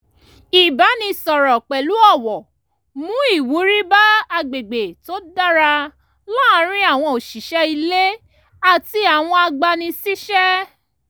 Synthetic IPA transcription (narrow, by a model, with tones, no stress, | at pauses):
i˨ba˨˦nĩ˧sɔ˨ɾɔ˨k͡pɛ˨lu˨˦ɔ˦˨wɔ˨ | mũ˦i˦˨wu˨˦ɾi˦ba˦a˧ɡ͡be˨ɡ͡be˨to˦da˦ɾa˧ | lã˦˨˦ɾ̃ĩ˦a˦˨w̃ɔ̃˧o˨ʃi˨ʃɛ˦i˧le˦ | a˦˨ti˧˦a˨w̃ɔ̃˧a˧ɡ͡ba˧nĩ˧si˦ʃɛ˦